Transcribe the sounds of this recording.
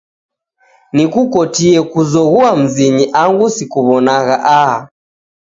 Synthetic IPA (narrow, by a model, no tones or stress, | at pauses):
nikukɔtiɛkuzɔɣuam̩ziɲiʔaŋɡusikuβɔnaɣaʔa